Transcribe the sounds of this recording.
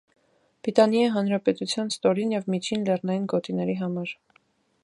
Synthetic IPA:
b̥ɾit̪ɑnjɑiɦɑnɾɑpɛt̪ut͡sʰjɑnst̪ɔɾinjɛvmit͡ʃʰinlɛrnɑjinɡɔt̪inɛɾiɦɑmɑɾ

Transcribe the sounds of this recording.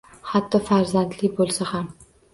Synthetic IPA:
hat̪ʰːɒfaɾzant̪lɪbolˠsaham

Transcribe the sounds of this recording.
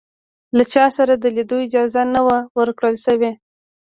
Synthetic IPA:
lat͡ʃɑsaɾad̪əlid̪oɪd͡ʒɑzanawawəɾkɽəlʃəwe

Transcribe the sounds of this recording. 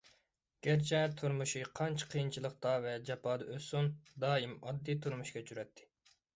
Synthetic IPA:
ɡ̥ʲæɾt͡ʃʰɛt̪ʰuɾmuʃiqʰɑnt͡ʃʰɑ̥qʰəjint͡ʃʰilˠəq̚t̪ʰɑvɛd͡ʒɑpʰɑːd̪ɑʔøsund̪ɑːimɑd̪ːijt̪ʰuɾmuʃkʲɛt͡ʃʰyɾɛt̪ʰːɪ̥

